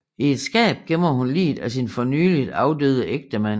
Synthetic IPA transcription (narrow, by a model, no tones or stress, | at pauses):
ie̝d̥sɡ̥ɛ̰ːb̥̚ɡ̥em̰ɐhunlḭːd̥æsinfɒ̽nyːlid̥ɑ̈ʊd̥ø̰ːð̞ˠəʔeɡ̥̚d̥əmæn̰